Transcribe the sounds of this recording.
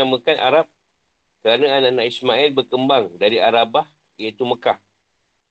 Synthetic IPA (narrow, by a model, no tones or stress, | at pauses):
aməkanʔa̰ɾap̚ | kəɾanãananaʔismaɛlbərkəmbaŋdaɾiaɾabah | jait̪uməkah